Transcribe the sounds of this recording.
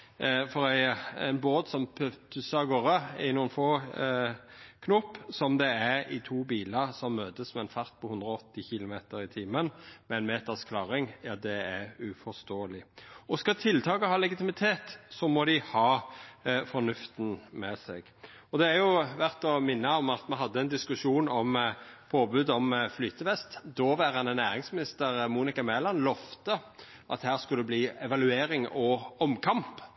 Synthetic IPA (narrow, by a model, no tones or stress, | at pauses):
fɔɾæɪæ̰ɪnboːt̪sɔmpʰœt̪ʰʉsəɑɡoːʁəɪnuːənfoː | kʰnʊpːsɔmd̪ɛæʁɪt̪ʰuːbiːləʁsɔmːøːt̪əsmɛɛnfɑʁt̪̚pʰɔhʉnd̪ʁɔɔt̪ːɪçɪlʊmeːt̪əɾɪt̪ʰiːmənmɛɛɪnmeːt̪ɑskʰlɑːɾɪŋjɑd̪ɛæɾʉfɔst̪oːəlɪɔskɑt̪ʰɪlt̪ʰɑːkəhɑːlɛɡɪt̪ɪmɪt̪ʰeːt̪sɔmɔd̪ɪhɑː | fɔnʉft̪n̩mɛsɛ̰ɡ̥ | ɔd̪ɛæɾjʊʋæʁt̪ɔmɪnːɑɔmɑt̪mɛnɦɑd̪ːəɛnd̪ɪskʉʂuːnɔmpʰoːbʉːd̪ɔmflyːt̪əʋɛst̪d̪ɔʋæːʁɑnənæːɾɪŋsmɪnɪst̪əɾmuːnɪkɑmɛːlɑnlɔft̪ə | ʔɑ̰t̪hæːʁskʉlːəbliːɛʋɑlʉeːɾɪŋɔɔmkʰɑmp